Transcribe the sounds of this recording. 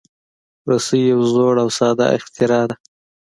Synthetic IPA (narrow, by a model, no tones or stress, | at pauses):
ɾosəjawzoɽawsɑd̪ɑ̰ʔɪ̰xt̪ɪɾɑd̪a